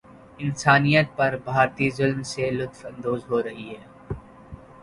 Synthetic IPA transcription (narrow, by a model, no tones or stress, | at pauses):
ɪnsaːnijət̪̚pɐɾbʱaːɾt̪izʊlmselʊt̪fɐ̃nd̪oːzɦoːɾɐɦiɦɛː